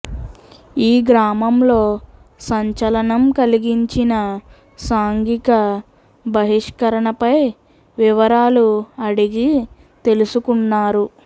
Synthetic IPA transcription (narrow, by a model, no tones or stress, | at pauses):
iːɡɾaːmɐmlo̞ː | sɐɲt͡ʃɐlɐnɐmkɐliɡiɲt͡ʃinɐ | saːŋɡikɐ | bʱɐɦiʂkɐɾɐɳɐpɐj | ʋiʋɐɾaːluɐɽiɡi | t̪e̞lusukunːaːɾu